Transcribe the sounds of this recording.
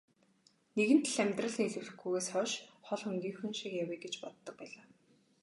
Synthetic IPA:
neɣɘ̆n̥t̪ɮæmʲt̪rə̆ɮ̆neɮɘ̆wɮɘ̆xɡuːɣeːsχɔʃχɔɮχɵŋɡiːŋxunʃikjawiːɡet͡ɕpɔt̪ːɞ̆k̚pæːɮaː

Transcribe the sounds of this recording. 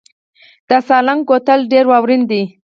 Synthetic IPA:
d̪̥əsɑlaŋɡot̪əlɖeɾwɑwɾind̪i

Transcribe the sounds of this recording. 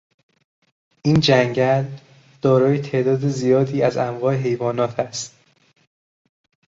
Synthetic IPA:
ʔiːnd͡ʒæŋɟæl | d̪̥ɒːɾɒːjet̪ʰe̞ːʔd̪ɒːd̪ezijɒːd̪iːæzæmɣɒːeɦe̞jvɒːnɒːt̪ʰæst̪

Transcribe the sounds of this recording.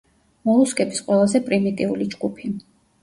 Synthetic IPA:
mɔlˠuskʼɛbisqʼwɛlˠazɛpʼɾimit̪ʼiulid͡ʒɡupʰi

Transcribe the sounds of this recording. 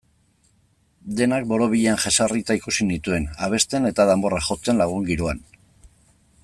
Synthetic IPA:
d̪e̞nak̚bo̞ɾo̞βiʎeanʝesarit͡s̪aikusinit̪ue̞naβ̞e̞st̪e̞ne̞t̪að̞ambo̞raʝo̞t͡se̞nlaɣ̞uŋɡiɾoan

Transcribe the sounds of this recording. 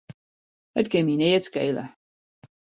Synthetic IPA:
hətkɪmineətskḛjlə̰

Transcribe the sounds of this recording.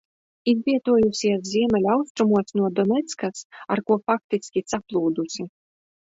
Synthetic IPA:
izvʲiɛt̪uɔjusʲiɛszʲiɛmʲɛlʲawst̪ɾumuɔsnuɔd̪ɔnʲɛt̪skasaɾkuɔfak̚t̪isʲkʲit̪saplˠuːd̪usʲi

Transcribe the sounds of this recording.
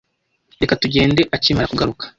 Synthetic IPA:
dekatuɟe̞ːnde̞ʔaciːmaɾakuɡaɾukḁ

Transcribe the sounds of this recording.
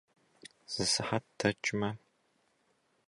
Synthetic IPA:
z̥ɨsɨħattʰɐt͡ʃʼɪmɐ

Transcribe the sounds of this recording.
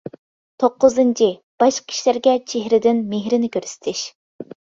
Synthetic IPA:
t̪ʰoqːʊzɨnt͡ʃʰib̥ɑʃkʲʰi̥ʃlæɾɡʲɛt͡ʃʰeɦɾɪd̪ɪnmeɦɾɪnɪkʲʰøɾsɪ̥t̪ʰɪʃ

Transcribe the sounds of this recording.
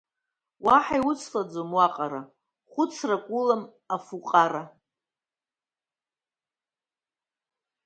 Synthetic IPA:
waħajwʊt͡sʰlad͡zomwaqʼaɾa | χʷʊt͡sʰrakʷʼulam | afuqʼaɾa

